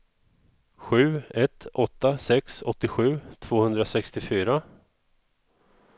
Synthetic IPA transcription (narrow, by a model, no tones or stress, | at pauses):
ɧʉ̟ːɛt̪ʰːɔt̪ːasɛksɔt̪ːɪɧʉ̟ːt̪ʰv̥oːhɵnd̪ɾasɛkst̪ɪfyːɾa